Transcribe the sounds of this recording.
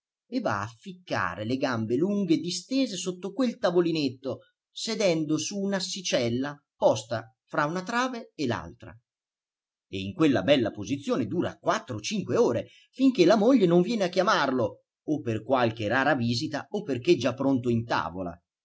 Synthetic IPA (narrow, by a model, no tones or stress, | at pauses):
evːa̰afːikːa̰ːɾeleɡambeluŋɡed̪ist̪eːzesot̪ːokwelt̪avolinet̪ːo | sed̪ɛnd̪osuːnasit͡ʃɛlːa | pɔst̪a | fɾaunat̪ɾaːveːla̰lt̪ɾa̰ | eiŋkwelːa̰bɛlːapozit̪sːjoːned̪uːɾakwat̪ːɾot͡ʃiŋkweoːɾe | fiŋk̟elamoʎːenoɱvjɛːneakːjamarlo | opːerkwalk̟eraːɾaviːzit̪aopːerk̟ed͡ʒapːɾont̪oint̪a̰ːvo̰la̰